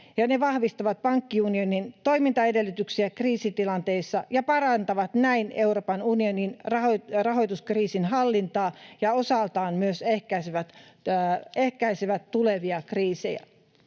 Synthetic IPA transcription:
jɑneʋɑhʋist̪ɑʋɑt̪̚pɑŋkːiunionint̪o̞imint̪ɑedelːyt̪yksiækriːsit̪ilɑnt̪eisːɑjɑpɑɾɑnt̪ɑʋɑt̪næineuroːpɑnunioninrɑɦorɑɦo̞jt̪uskriːsinɦɑlːint̪ɑːjɑosɑlt̪ɑːnmyøsehkæiseʋæt̪ | ehkæiseʋæt̪ːuleʋiɑkriːsḛjæ̰

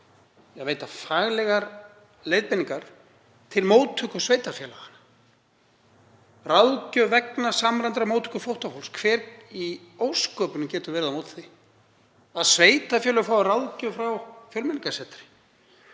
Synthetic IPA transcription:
jɛɣveːjt̪afaːɣlɛɣaɾ | lejðpɪniŋkaɾ̥ | t̪ʰɪlmoːwt̪ʰʏkʏ̥sveːjt̪afjɛːla̰ɣanːa | rawðcœvɛknasamɾant̪ɾamowt̪ʰʏ̥kʏfowht̪afowlskʰvɛːɾioːwskœːpʏnʏmcɛːt̪ʏɾvɛːɾɪðamowt̪θi | aðsveːjt̪afjɛːlʏfɾawrawðcœfɾawfjœlmɪniŋkasɛt̪ɾɪ̥

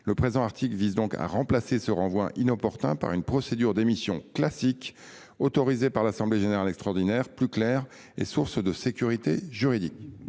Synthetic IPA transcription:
ləpχezɑ̃aʁt̪ʰiklvizd̪ɔ̃kʰa̰ʁɑ̃plasesəʁɑ̃vwɛ̰̃ʔinɔpɔʁt̪ɛ̰̃pa̰ʁynpχɔsed̪yʁd̪emisjɔ̰̃klasik | ot̪ɔʁizepaʁlasɑ̃bleʒeneʁalɛkst̪χɔʁd̪inɛːʁplyklɛːʁ | ḛsuʁsd̪əsekʲyʁit̪eʒyʁid̪ik

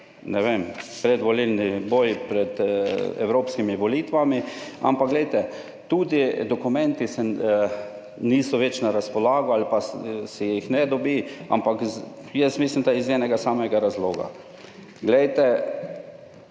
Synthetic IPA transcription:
nɛʋempɾɛd̪ʋɔlilniboːjpɾɛt̪ɛ̰wɾoːpskimiʋɔliːt̪ʋamia̰mpakɡlɛjt̪ɛ | t̪uːd̪id̪ɔkumɛnt̪isɛ | niːsɔʋɛt͡ʃnaɾaspɔlaːɡɔalipasɛjixnɛd̪ɔbia̰mpak | jɛst̪mis̬limd̪aizɛnɛɡasaːmɛɡaɾazloːɡa̰ | ɡlɛjt̪ɛ

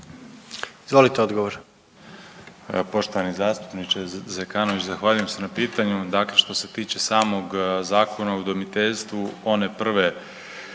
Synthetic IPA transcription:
izʋo̞lit̪eod̪ɡoʋoɾ | po̞ʃt̪o̞ʋanizaːst̪u̥pnit͡ʃezekanoʋit͡ɕzaxʋaːʎuje̞mse̞napiːt̪aɲud̪akle̞ʃt̪o̞se̞t̪iːt͡ɕe̞saːmo̞ɡzaːkʰo̞naud̪omit̪eʎst̪ʋuo̞ne̞pr̩ʋe̞

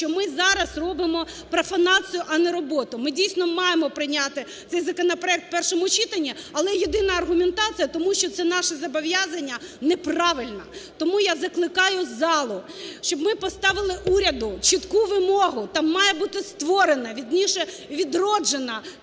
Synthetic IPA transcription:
t͡ʃɔmɪzɑɾɐsrɔbɪmɔpɾɐfɐnɑt͡sʲijʊʔɐnɛɾɔbɔt̪ʊmɪdʲijsnɔmɑjemɔpɾɪnʲat̪ɪt̪sɛjzɐkɔnɐpɾɔɛk̚t̪̚pɛrʃɔmʊt͡ʃit̪ɐnʲːiɐlˠɛjed̪ɪnɐɐrɦʊmʲent̪ɑt͡sʲijɐt̪ɔmuʃt͡ʃɔt̪sɛnɑʃɛzɐbɔʋʲjazɐnʲːɐnɛprɑʋɪlʲnɐt̪ɔmujazɐklˠɪkɑjʊzɑlˠʊ | ʃt͡ʃɔbmɪpɔst̪ɑʋɪlˠɪʔuɾʲɐd̪ʊt͡ʃɪt̪kuʋɪmɔɦʊt̪ɑːɑjɛbut̪ɪst̪ʋɔɾenɐʋʲid̪ʲnʲiʃɛ | ʋʲid̪rɔd͡ʒenɐ

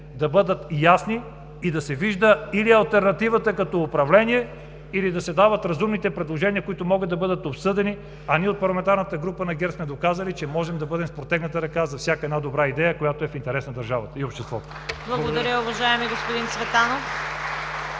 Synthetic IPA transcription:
d̪ɐbɤd̪ət̪jasni | id̪ɐsɛviʒd̪əiliɐlˠt̪ɛɾnɐt̪ivət̪əkɐt̪ɔʊpɾɐvlɛniɛ | ilid̪ɐsɛd̪avət̪ɾɐzumnit̪ɛpɾɛd̪lˠoʒɛniəkoit̪omɔɡəd̪ɐbɤd̪ət̪opsɤd̪ɛni | ɐnʲiɛot̪̚pɐɾlˠɐmɛnt̪aɾnət̪əɡɾupənɐɡɛɾsmɛd̪okazəlit͡ʃɛmɔʒɛmd̪ɐbɤd̪ɛmspɾot̪ɛɡnət̪əɾɐkazɐfsʲjakəɛd̪nad̪obɾaid̪ɛjəkojat̪oɛfint̪ɛɾɛsnɐd̪ɐɾʒavət̪əiopʃt̪ɛst̪vɔt̪o̥blˠɐɡod̪ɐɾʲəʊvɐʒaɛmiɡospʊd̪insvɛt̪ano

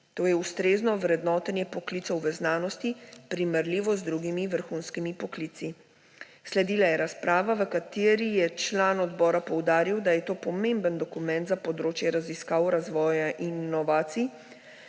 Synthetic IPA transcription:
t̪oːjɛust̪ɾeːznɔʋɾɛd̪nɔːt̪ɛnjɛpɔklit̪sɔwʋəznaːnɔst̪ipɾiməɾliʋɔzd̪ɾuɡimiʋəɾxuːnskimipɔkliːt̪si | slɛd̪iːlajɛɾaspɾaːʋaʋəkat̪eːɾijɛt͡ʃlaːnɔd̪bɔːɾapɔwd̪aːɾiwd̪ajɛt̪oːpɔmẽmbənd̪ɔkumɛ̃nt̪zapɔd̪ɾoːt͡ʃjɛɾaziskaːwɾazʋɔːjaʔinnɔʋaːt̪si

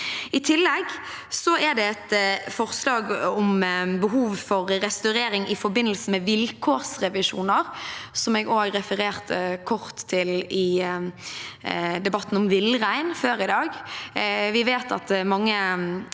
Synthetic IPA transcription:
ɪt̪ʰɪlːɛɡ | sɔæd̪ɛɛt̪fɔʁslɑːɡɔmbəɦuːʋfɔɾɾɛst̪ɑʉɾeːɾɪŋʔɪfɔɾbɪnːəlsən̩mɛʋɪlkʰoːʁsʁɛʋɪʃṵːnəʁsɔmɛɡoːɡɾɛfəɾeːʁt̪ʰəkʰɔʁt̪ʰːɪlɪ | d̪ɛbɑt̪ːn̩ɔmʋɪlʁæɪnføːɾɪd̪ɑːɡ | ʋɪʋeːt̪ʰɑ̰t̪mɑŋːə

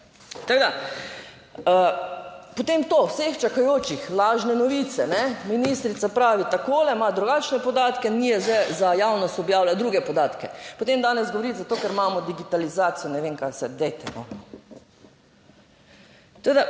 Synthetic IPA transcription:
t̪aɡd̪a | ə | pot̪emt̪oːwsext͡ʃakajoːt͡ʃixlaːʒnɛnɔʋiːt̪sɛnɛminist̪ɾit̪sapɾaːʋit̪akoːlɛmad̪ɾuɡaːt͡ʃnɛpɔd̪aːt̪kɛnijɛzɛzajaːwnɔst̪ɔbjaːwlad̪ɾuːɡɛpɔd̪aːt̪kɛpot̪emd̪aːnɛzɡoʋoɾit̪zat̪oːkɛɾmaːmɔd̪iɡit̪alizaːt̪sijɔnɛʋeːŋkasɛd̪ɛjt̪ɛnɔ | t̪ɐked̪a

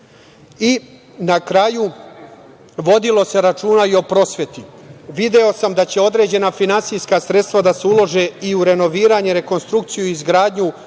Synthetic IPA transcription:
i | nakɾaju | ʋo̞d̪ilo̞se̞ɾat͡ʃuːnaio̞pɾo̞ːsʋet̪iʋid̪e̞o̞samd̪at͡ɕe̞o̞d̪ɾe̞ːd͡ʑe̞nafinansijskasɾet̪st̪ʋad̪ase̞ulˠo̞ʒeiuɾe̞no̞ʋiːɾaɲeɾe̞ko̞nst̪ɾukt̪sijuizɡɾaːd̪ɲu

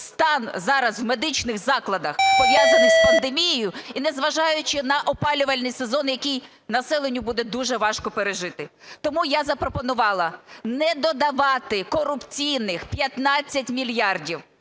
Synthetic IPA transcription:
st̪ɑnzɑɾɐzwme̞d̪ɪt͡ʃnɪɣzɑklˠɐd̪ɐxpɔʋʲjazɐnʲɪzpɐnd̪emʲijɪjʊinɛzʋɐʒɑjʊt͡ʃɪnɐʔɔpɑlʲʊʋɐlʲnɪjsezɔnjɐkʲij | nɐsɛlˠenʲːʊbud̪ɛd̪uʒɛʋɑʃkɔpeɾeʒɪt̪ɪt̪ɔmujazɐpɾɔpɔnʊʋɑlˠɐnɛd̪ɔd̪ɐʋɑt̪ɪkɔrʊpt͡sʲijnɪxpʲjɐt̪nɑt͡sʲːɐtʲmʲilʲjɑrdʲiw

